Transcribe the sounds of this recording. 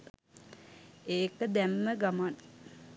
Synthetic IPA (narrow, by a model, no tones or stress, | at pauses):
eːkəd̪æmːəɡaman